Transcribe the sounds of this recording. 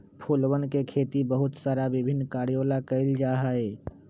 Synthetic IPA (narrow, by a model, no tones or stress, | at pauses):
pʰuːlwənkekʰeːt̪ibəɦʊt̪saːɾaʋɪbʱɪnːkaːɾijoːlakəɪld͡ʒaːɦaɛː